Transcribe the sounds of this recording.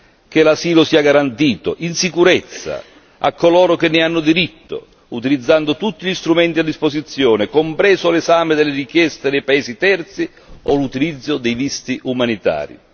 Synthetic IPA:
k̟ɪlasiːlʊsiːaɡaɾant̪iːt̪ʊ̰ʔinsikuɾɛt̪sːa̰ | a̰kːolɔːɾʊk̟ɪnːɪanːʊd̪iɾit̪ːʊ̰ | ut̪ilid̪zːand̪ʊt̪ut̪ːiʎist̪ɾumɛnt̪iad̪ːispozit̪sːjɔːnɪkompɾɛːzʊlɛzaːmɪd̪ɪlːɪrik̟jɛst̪ɪd̪ɛjpaɛːsit̪ɛrt̪si | ɔlut̪ilid̪zːʊd̪ɛjvist̪iʔumanit̪a̰ːɾḭ

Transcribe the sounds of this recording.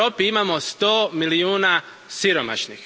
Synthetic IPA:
oːpiimamo̞st̪o̞ːmiliuːna | siɾo̞ma̰ʃnix

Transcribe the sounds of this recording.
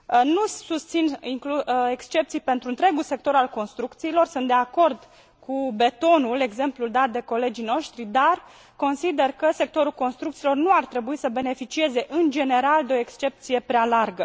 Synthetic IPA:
nusust̪siniŋklue̞kst͡ʃe̞p̚t̪sijpe̞nt̪ɾuɨnt̪ɾe̞ɡulse̞k̚t̪o̞ɾalko̞nst̪ɾukt̪siːlo̞rsunt̪̚d̪eako̞rd̪ | kʰube̞t̪o̞nule̞ɡze̞mpluld̪at̪̚d̪e̞ko̞le̞d͡ʒijno̞ʃt̪ɾid̪ar | ko̞nsid̪e̞rkəse̞k̚t̪o̞ɾulko̞nst̪ɾukt̪silo̞rnuart̪ɾe̞buisəbe̞ne̞fit͡ʃie̞ze̞ʔɨnd͡ʒe̞ne̞ɾald̪eo̞ekst͡ʃe̞p̚t̪sije̞pɾealarɡə

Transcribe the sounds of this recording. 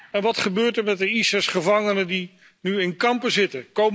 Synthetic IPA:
ɛnʋɑtχəbøːɹtəɹmɛt̚dəisɛsχəvɑŋənəndi | nyɪnkɑmpəzɪtəkowm

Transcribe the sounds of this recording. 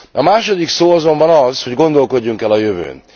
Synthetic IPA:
ɒmaːʃo̞d̪iksoːɒzo̞mbɒnɒzho̞ɟɡo̞nd̪o̞lko̞ɟːuŋkɛlɒjøvø̰ːn

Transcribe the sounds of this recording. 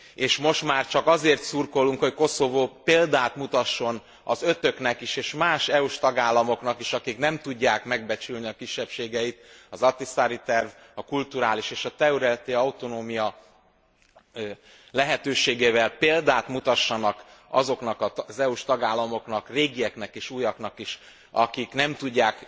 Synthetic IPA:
eːʃmo̞ʃt̪maːrt͡ʃɒkɒzeːrt̪surkolːuŋkho̞cko̞so̞voːpeːld̪aːt̪mut̪ɒʃːo̞n | ɒzø̞t̪ø̞knɛkiʃeːʃmaːʃɛuʃt̪ɒɡaːlːɒmo̞knɒkiʃɒkiknɛmt̪uɟːaːkmɛɡ̚bɛt͡ʃylniɒkiʃːɛpʃeːɡɛjit̪ɒzɒt̪isaːɾit̪ɛrv | ɒkult̪uɾaːliʃeːʃɒt̪ɛuɾɛlt̪eːɒut̪o̞noːmijɒ | lɛɦɛt̪øːʃeːɡeːvɛlpeːld̪aːt̪mut̪ɒʃːɒnɒkɒ̰zo̞knɒkɒzɛuʃt̪ɒɡaːlːɒmo̞knɒkreːɡijɛknɛkeːʃujɒknɒkiʃ | ɒ̰kiknɛmt̪uɟːaːk

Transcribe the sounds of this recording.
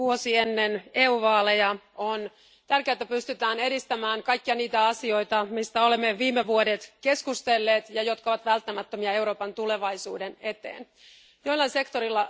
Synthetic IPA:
uosienːeneuʋɑːlejɑ | on | t̪ærkeæt̪ːæpyst̪yt̪æːne̞dist̪æmæːŋkɑjkːiɑniːt̪æɑsio̞jt̪ɑmist̪æo̞lemːeʋiːmːeʋuodet̪ke̞skust̪elːeːt̪jɑjo̞t̪kɑoʋɑt̪ʋælt̪ːæmæt̪ːømiɑe̞wɾo̞ːpɑnt̪ule̞ʋɑjsuːdene̞t̪ḛːn | joilːɑnse̞kt̪oɾilːɑ

